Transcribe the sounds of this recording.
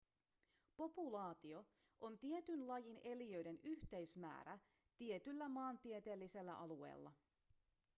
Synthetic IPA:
po̞pulɑːt̪io̞ | ʔont̪ie̞t̪ynlɑjine̞liø̞jde̞nyçt̪e̞ɥsmæ̰ːɾæ | t̪ie̞t̪ylːæmɑːnt̪iet̪e̞ːlːise̞lːæ̰ʔɑluḛjlːɑ̰

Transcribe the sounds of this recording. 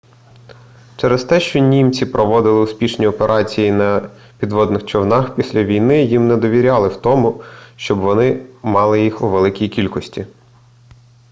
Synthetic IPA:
t͡ʃɛɾɛst̪ɛʃt͡ʃɔnʲimt͡sʲipɾɔʋɔd̪ɪlˠɪʊspʲiʃnʲiɔpeɾʔɑt͡sʲijinɐ | pʲid̪ʋɔd̪nɪxt͡ʃɔwnɑxpʲisʲlʲɐʋʲijnɪjimnɛd̪ɔʋʲiɾʲɑlˠɪwt̪ɔmʊʃt͡ʃɔbʋɔnɪmɑlˠɪjixuʋelˠɪkʲijkʲilʲkɔsʲtʲi

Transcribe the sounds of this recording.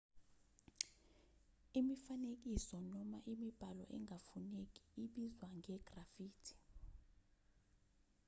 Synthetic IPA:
imifanek̬isɔnɔmaʔimib̥ʱalɔ̰ʔɛŋʱafunek̬ʼi̥iɓizwaŋʱɛɡ̥rafiːtʰi̥

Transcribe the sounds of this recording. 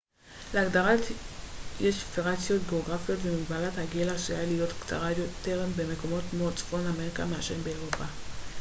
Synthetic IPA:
leaɡdaʁat | jeʃfeʁat͡sijo̞tɡe̞oɡʁafijo̞tvemiɡbalathaɡelaʃijalijo̞tkt͡sa̰ʁajot̪eʁembeme̞ko̞mo̞tmot͡sfo̞nlame̞ʁika̰meaʃimbeːʁopa

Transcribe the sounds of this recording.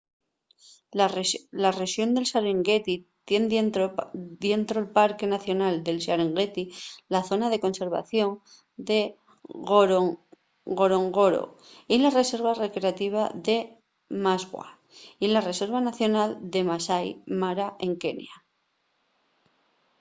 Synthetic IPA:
lare̞ʃjo̞nd̪e̞lsaɾeŋɡe̞t̪it̪je̞n | d̪je̞nt̪ɾolpaɾke̞naθjo̞nald̪e̞lsaɾeŋɡet̪ilaθo̞naðe̞ko̞nse̞ɾβa̰θjo̞ŋ | d̪e | ɡo̞ɾo̞ŋɡo̞ɾo̰ | ilare̞se̞ɾβare̞kɾeat̪iβ̞aðe̞ | mazɣwa̰ | ilare̞se̞ɾβanaθjo̞nald̪e̞masajmaɾaʔe̞ŋke̞nja

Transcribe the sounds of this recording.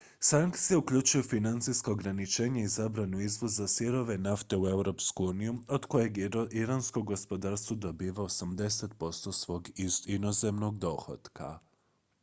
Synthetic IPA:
saŋkt̪sijeukʎut͡ʃujufinant̪sijskaoɡɾanit͡ʃe̞ːɲeizabɾanuizʋozːasiɾo̞ʋe̞naft̪e̞ue̞wɾo̞ːpskuuːnijuo̞d̪ko̞je̞ɡiɾanskoɡo̞spo̞d̪aːɾst̪ʋud̪obiːʋaosamd̪e̞set̪po̞st̪o̞sʋo̞ɡinoze̞mno̞ɡd̪o̞xo̰t̪kʰa̰

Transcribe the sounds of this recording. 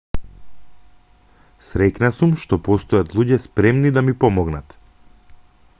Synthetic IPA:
sɾɛcnasumʃt̪ɔpɔst̪ɔjat̪lˠuɟɛspɾɛmnid̪amipɔmɔɡnat̪

